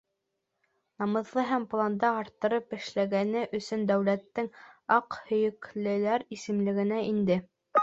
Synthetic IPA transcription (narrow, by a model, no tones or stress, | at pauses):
nɑmɤ̆ðlˠɤɦæmplˠɑnd̪ɑɑɾt̪ːɤ̆ɾɤpɘ̆ʃlæɡænɘʔɵ̆sɵnd̪æwlæt̪ːɘŋɑqhɵ̆jɵ̆klɘ̆læɾisɘ̆mlɘ̆ɡɘ̆næʔind̪ɘ